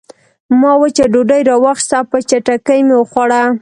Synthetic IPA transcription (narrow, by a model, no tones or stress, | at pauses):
mɑwat͡ʃaɖoɖajɾɑwaxst̪apət͡ʃaʈakəjmeoxwaɽa